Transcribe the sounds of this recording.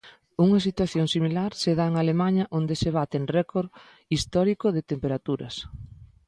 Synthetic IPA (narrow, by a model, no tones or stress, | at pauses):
uŋɐs̬it̪waθjoŋsimilaɾseðaeŋalemaɲɐʔond̪eseβ̞at̪eŋrɛkoɾ | ist̪ɔɾikʊðet̪empeɾat̪uɾɐ̰s